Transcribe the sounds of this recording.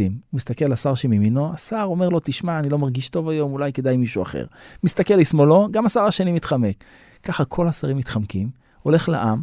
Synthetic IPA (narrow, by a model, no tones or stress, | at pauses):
immist̪akelasaʁʃemiminoasaʁo̞me̞ʁlo̞t̪iʃmaːnilo̞maʁɡiʃto̞vajo̞mulajke̞d̪ajmiʃua̰χḛʁmist̪akelismolo̞ɡamasaʁaʃenimit̪χamekː | aχakʰo̞lasaʁimːit̪χamkim | o̞le̞χla̰ʔam